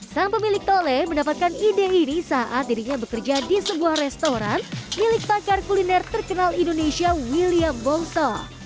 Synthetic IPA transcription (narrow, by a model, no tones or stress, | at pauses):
taŋpəmilɪk̚t̪oleməndapat̪̚kanideinisaʔat̪̚diɾiɲabəkərd͡ʒadisəbuahrɛst̪oɾanmilɪk̚pakarkulinɛrt̪ərkənalindonesiawiliambɔŋsɔ